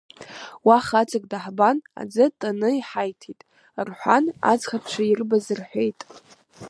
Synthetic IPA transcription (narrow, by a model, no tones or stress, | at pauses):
waχat͡sʰʼakʼdaħbana̰d͡zɨtʼanɨiħajtʰitʼ | rħʷana̰d͡zχapʰt͡ʃʷʰairbazɨrħʷᶣejtʼ